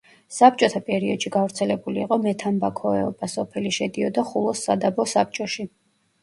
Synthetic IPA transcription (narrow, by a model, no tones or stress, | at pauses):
sap̚t͡ʃʼɔt̪ʰapʼɛɾiɔd̪̥ʃiɡavɾt̪sʰɛlɛbuliːqʼɔmɛt̪ʰambakʰɔɛɔbasɔpʰɛliʃɛd̪iɔd̪aχulˠɔsːad̪abɔsap̚t͡ʃʼɔʃi